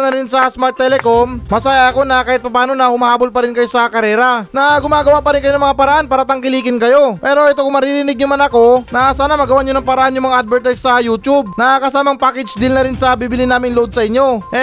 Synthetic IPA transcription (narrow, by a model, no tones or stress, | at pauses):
nɐɾɪnsɐsmaɹt̪ːɛlɛko̞mmːɐsaːjɐʔɐko̞nɐkaːhɪt̪̚pɐpaːno̞nɐhʊmɐhaːbolpɐɾɪnkɐjo̞sɐkɐɾɛːɾɐnɐɡʊmaːɡɐwaʔpɐɾɪnkɐjo̞nɐŋmɐŋapɐɾɐʔanpaːɾɐt̪ɐŋkɪliːkɪnkɐjo̞pɛːɾo̞ʔɛt̪o̞kʊŋmɐɾiɾɪnɪɡ̚ɲʊmanɐko̞nɐsaːnɐmɐɡɐwaʔɲonɐŋpɐɾɐʔanjʊŋmɐŋaʔad̪̚bɛɹt̪ajssɐjuːt̪ub̚nɐkɐsaːmɐŋpaːkɛd͡ʒd̪ɪlnɐɾɪnsɐbibɪlɪnaːmɪnlʊʔo̞d̪̚sɐʔɪɲːo̞ʔɛ